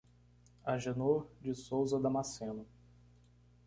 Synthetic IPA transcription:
aʒenoɾd͡ʒɪsowzɐd̪ɐmasẽnʊ

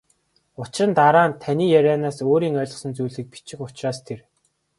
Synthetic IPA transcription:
ʊt͡ɕrə̆nt̪aɾaːnt̪ʰaniːjæɾʲaːnaːsoːɾiːŋœːɮɞ̆sə̆nt͡sujɮɘ̆k̚pi̥t͡ɕɪ̆xʊt͡ɕraːst̪ʰer

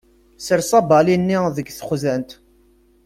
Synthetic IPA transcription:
səɾsˤɑbɑlinːiðəɡθəχðænt̪

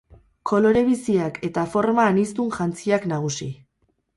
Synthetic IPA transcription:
kʰo̞lo̞ɾe̞β̞isiakʰe̞t̪afo̞ɾmaːnist̪unʝant͡siaknaɣ̞usi

